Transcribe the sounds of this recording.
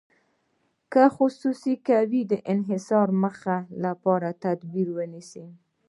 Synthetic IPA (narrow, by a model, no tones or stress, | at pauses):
kəxʊsusikawid̪əʔɪnɦɪsɑɾməxalapɑɾat̪ad̪biɾwənisi